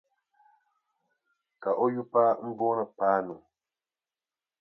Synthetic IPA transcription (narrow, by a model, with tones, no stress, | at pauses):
ka˨ʔɔ˦ju˦pa˦m̩˦bɔ˦nə˨paː˦nu˨